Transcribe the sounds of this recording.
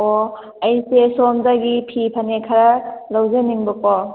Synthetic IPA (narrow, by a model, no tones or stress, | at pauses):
ɔ | ajsesɔmdaɡipʰipʰanekʰaɾalawzeniŋbɔkɔ